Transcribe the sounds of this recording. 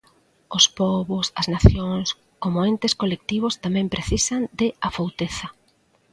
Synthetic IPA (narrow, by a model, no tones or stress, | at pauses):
ospɔβʊsɐznaθjoŋs | komoent̪ɪskolek̚t̪iβ̞ʊst̪amɛ̃mpɾeθisɐnd̪ɪafowt̪eθɐ